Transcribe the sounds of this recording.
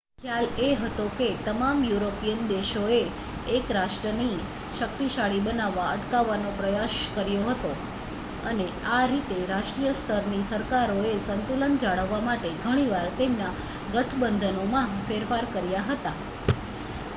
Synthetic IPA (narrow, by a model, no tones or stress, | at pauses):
kʰjaleɦət̪oket̪əmamjuɾopijənd̪eʃoeː | kɾaʃʈɾəni | ʃək̚t̪iʃaɭibənaʋːaəʈkaʋːanopɾəjaʃkəɾjoɦət̪o | əne | aɾit̪eɾaʃʈɾijəst̪ʰəɾnisəɾkaɾoesənt̪ulənd͡ʒaɭəʋːamaʈeɡʱəɽ̃iʋaɾt̪emna | ɡəʈʰbənd̪ʱənomãfeɾfaɾkəɾjaɦət̪a